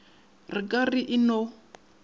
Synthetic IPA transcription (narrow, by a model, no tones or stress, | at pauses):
rikʼariʔino